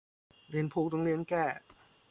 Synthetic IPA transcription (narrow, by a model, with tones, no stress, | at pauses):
ɾi˧˥ənpʰuː˧˥k̚t̪ɔ˧˦ŋɾi˧ənkɛː˥˩